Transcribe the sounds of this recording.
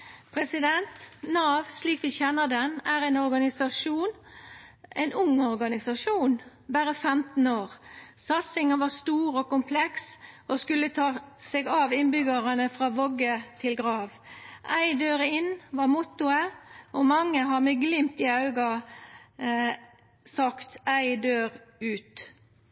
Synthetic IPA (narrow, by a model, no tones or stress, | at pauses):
pʰɾɛsɪd̪ɛnt̪nɑːʋsliːkʋɪçɛnːəd̪ɛnæɾæɪnɔɾɡɑnɪsɑʂuːn | ɛɪnʊŋːɔɾɡɑnɪsɑʂuːn | bæɾəfɛmt̪n̩oːʁsɑt̪sɪŋənʋɑst̪uːɾokʊmpʰlɛksoskʉlːət̪ʰɑːseɡɑːʋɪnbʏɡəʁənəfʁɑːʋɔɡət̪ʰɪlɡɾɑːʋ | ʔæɪd̪øːɾɪnːʋɑɾmʊt̪ʊəɔmɑŋːəɦɑɾmɛɡlɪmt̪ɪɑʉɡɑ | sɑkt̪æɪd̪øːɾʉːt̪